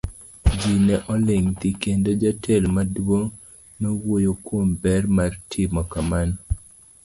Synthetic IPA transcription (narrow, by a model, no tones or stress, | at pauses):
d͡ʒinɛʔɔlɪŋt̪ikendod͡ʒatʰelmadwo | nowojokwombɛrmartʰɪmɔkaman